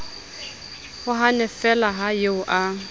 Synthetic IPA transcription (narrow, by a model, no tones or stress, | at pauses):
hʊɦanɛfɛlaɦajeʊʔa